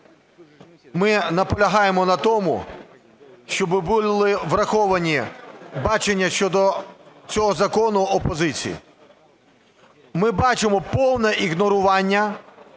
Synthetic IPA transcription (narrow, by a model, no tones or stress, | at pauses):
mɪnɐpɔlʲɐɦɑjemɔnɐt̪ɔmʊ̰ | ʃt͡ʃɔbɪbʊlˠɪʋrɐxɔʋɐnʲibɑt͡ʃenʲːɐʃt͡ʃɔd̪ɔt͡sʲɔɦɔzɐkɔnʊɔpɔzɪt͡sʲḭjḭ | mɪbɑt͡ʃemɔpɔwnɛʔiɣnɔɾʊʋɑnʲːɐ